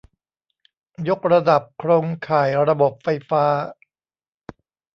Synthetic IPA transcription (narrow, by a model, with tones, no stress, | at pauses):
jo˦˥k̚ɾa˧da˨˩p̚kʰɾoː˧ŋkʰaː˨˩jɾa˧bo˨˩p̚fa˧jfaː˦˥